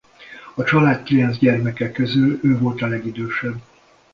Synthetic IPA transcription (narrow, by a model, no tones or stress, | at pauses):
ɒt͡ʃɒlaːt̪kilɛnzɟɛrmɛkɛkːøzyløːvo̞lt̪ɒlɛɡid̪øːʃɛbː